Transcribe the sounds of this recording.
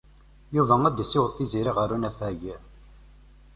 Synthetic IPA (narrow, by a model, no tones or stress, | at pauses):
juvææd̪əsːɪwət̪ˤːiziɾiʁəɾunæθæʝə